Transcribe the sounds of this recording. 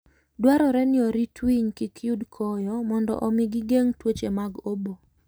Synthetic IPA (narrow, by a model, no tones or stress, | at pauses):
dwaɾɔɾɛnɪɔɾitwiɲkikʰjudkʰɔjɔmɔndɔ̰ʔɔmɪɡɪɡeŋtwot͡ʃemaɡobo